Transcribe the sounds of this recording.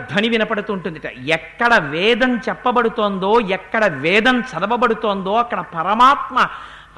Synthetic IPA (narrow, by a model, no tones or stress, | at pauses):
d̪ʱɐniʋinɐpɐɽut̪uːɳʈund̪iʈɐ̰ɛkːɐɽɐʋɛːd̪ɐnt͡ʃɛpːɐbɐɽut̪oːnd̪o̞ːjɛkːɐɽɐʋɛːd̪ɐnt͡ʃɐd̪ɐʋɐbɐɽut̪oːnd̪o̞ːɐkːɐɽɐpɐɾɐmaːt̪mɐ